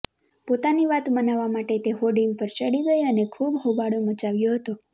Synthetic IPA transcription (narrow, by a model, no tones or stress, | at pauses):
pot̪aniʋat̪bənaʋamaʈet̪eɦoɖiŋɡpəɾt͡ʃəɽiɡəjənekʰubɦobaɽomət͡ʃaʋjoɦət̪o